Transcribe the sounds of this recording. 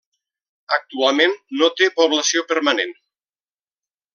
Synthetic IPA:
ək̚t̪ualˠmenːot̪epoβləsiopəɾmanen

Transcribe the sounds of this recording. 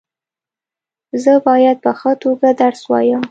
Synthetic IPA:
zəbɑjad̪̚pəxət̪oɡad̪aɾswɑ̰jəm

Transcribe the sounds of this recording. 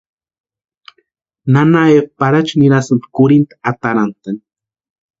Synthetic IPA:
nanaep̚paɾat͡ʃniɾasɨmpkʊɾint̪ḁat̪aɾant̪an

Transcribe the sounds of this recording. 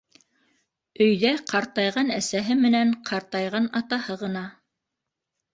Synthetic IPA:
ɵ̆jðæqʰɑɾt̪ɑjʁɑnæsæɦɘmɘ̆næɴqʰɑɾt̪ɑjʁɑnɑt̪ɑhɤʁɤ̆nɑ

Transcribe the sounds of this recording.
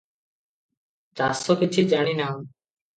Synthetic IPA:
da̰ːsoːkɪt͡ʃʰiːd͡ʒaːɳiːnaː

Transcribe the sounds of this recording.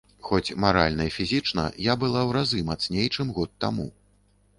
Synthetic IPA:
xɔt͡sʲmaɾa̰lʲnɐifʲizʲit͡ʂnɐ̰jabɨlˠawɾazɨmat̪snʲejt͡ʂɨmɣɔt̪ːamṵ

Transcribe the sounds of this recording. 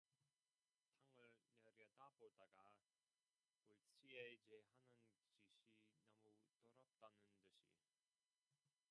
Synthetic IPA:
tʰaŋɯɭneɾjʌdabodaɡa | oɭt͡ɕʰied͡ʑeɦanɯnt͡ɕiɕʰinamutoɾap̚t͈anɯntɯɕʰḭ

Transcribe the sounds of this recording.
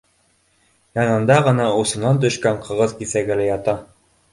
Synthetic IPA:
jɑnɤ̆nd̪ɑʁɤ̆nɑusɤ̆nɑnt̪̬ɵ̆ʃkæɴqʰɤ̆ʁɤðkisæɡɘlɘjɑt̪ɑ

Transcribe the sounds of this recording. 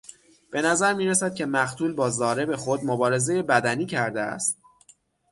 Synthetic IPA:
b̥e̞næzæɾmiːɾæsæd̪̥̚cʰe̞mæɢt̪ʰuːlbɒːzɒːɾe̞bexo̞d̪mobɒːɾe̞ze̞je̞bæd̪æniːcʰæɾd̪eæ̰st̪̚

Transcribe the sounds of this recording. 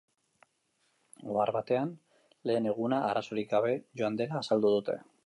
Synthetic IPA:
ɡoaɾβat̪e̞an | le̞ːne̞ɣ̞unaʔaɾaso̞ɾik̚ɡaβe̞ʝo̞and̪e̞laːsald̪uð̞ut̪ḛ

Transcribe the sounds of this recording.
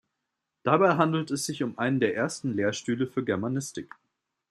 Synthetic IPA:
d̥abaɪɦandl̩tɛsz̥ɪçʊmʔaɪnəndeːɐʔeːɐstn̩leːɐʃtyːləfyːɐɡɛɐmanɪstɪk

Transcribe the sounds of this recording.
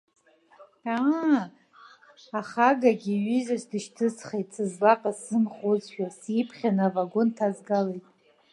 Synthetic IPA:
a | aχaɡaɡʲiɥizasdɨʃtʰɨsχejtʼsɨzlaqʼasɨnχozʃᶣasipʰχʲanavaɡontʰazɡalejtʼ

